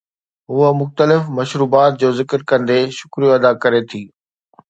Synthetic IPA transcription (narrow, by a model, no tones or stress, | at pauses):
ɦʊəmʊxt̪əlɪfmɐʃɾuːbaːt̪̚d͡ʑoːzɪkəɾkɐ̃nd̪eʃʊkɾijoɐd̪akɐɾet̪ʰiː